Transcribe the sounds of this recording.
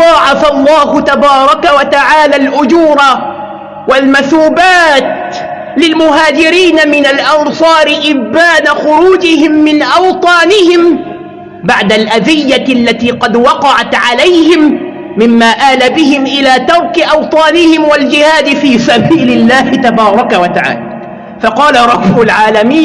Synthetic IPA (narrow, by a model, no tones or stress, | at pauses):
ɑːʕɑfalˤːɑːhʊt̪abɑːɾˤɑkawat̪aʕaːlalʔʊd͡ʒuːɾˤɑ | walmaθuːbaːt̪ | lɪlmʊɦaːd͡ʒɪɾiːnamɪnalʔɑnsˤɑːɾɪʔɪbaːnaxʊɾuːd͡ʒɪhɪmːɪnʔɑwt̪ˤɑːnɪhɪm | baʕd̪alʔad̪ɪjːaalːat̪iːqɑd̪wɑqɑʕat̪ʕalajhɪmː | ɪmːaːʔaːlabɪɦɪmʔɪlaːt̪ɑɾˤkɪʔɑwt̪ˤɑːnɪhɪmwald͡ʒɪhaːd̪ɪfiːsabiːlɪlːaːhɪt̪abɑːɾˤɑkawat̪aʕa̰ːla | fɑqɑːlaɾˤɑbːʊlʕaːlamiː